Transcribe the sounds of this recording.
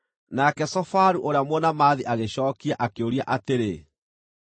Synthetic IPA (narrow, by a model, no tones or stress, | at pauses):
nakɛsɔfaɾuʔoɾeamwɔnamaðiʔaɣeɕɔːkiaʔakeoɾia̰ʔateɾe